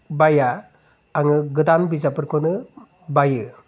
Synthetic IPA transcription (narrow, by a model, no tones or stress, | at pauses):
bajaː | ŋɯɡɯdanbizapɯɾkʰonɯ | bajɯ